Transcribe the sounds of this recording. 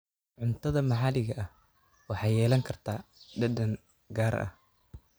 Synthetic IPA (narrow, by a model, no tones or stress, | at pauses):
ʕʊnt̪ʰɐðɐmɑħɑːlɪɣɐʔɐh | wɑħɑːjɛːlɐŋkʰɐrt̪ʰaːɖɐdɐŋ | ɡaːɾɐ̰h